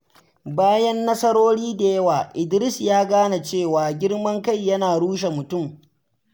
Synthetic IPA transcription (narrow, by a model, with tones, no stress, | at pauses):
baː˦jɐ˦nːɐ˦sɐ˦ɾoː˦ɽiː˦da˨jɐ˦waː˨ʔɪ˨dɾɪ˦sjaː˦ɡaː˦na˨t͡ʃeː˦˨waː˨ɡʲɪ˦ɽmɐ˦ŋka˦˨jːɐ˦naː˨ɽuː˦ʃ̬e˨mʊ˨tʊ˦˨m